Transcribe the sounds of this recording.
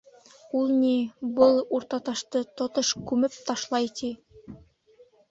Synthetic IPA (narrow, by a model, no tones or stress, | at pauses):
ulˠnibɤlˠuɾt̪ɑt̪ɑʃt̪ɤt̪ŏt̪oʃkʉmɘp̚t̪ɑʃlˠɑjt̪i